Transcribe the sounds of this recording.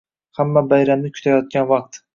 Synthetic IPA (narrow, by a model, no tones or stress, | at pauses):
hamːabajɾamnɪkʲʰʊ̥t̪ʰajɒt̪̚ɡʲanvɑq̚t̪